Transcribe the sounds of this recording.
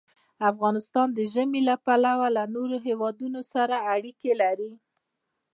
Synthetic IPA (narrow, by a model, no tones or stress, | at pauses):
afɣɑnɪst̪ɑnd̪əʒəmelapalawalanoɾoɦewɑd̪unosaɾaːɽikelaɾi